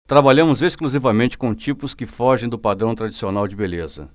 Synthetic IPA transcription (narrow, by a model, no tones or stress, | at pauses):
t̪ɾabaʎɐ̃mʊzeskluzivɐmẽnt͡ʃɪ̥kõw̃t͡ʃipʊskɪfɔʒẽj̃d̪ʊpad̪ɾɐ̃w̃t̪ɾad͡ʒisionawd͡ʒɪbelezɐ̰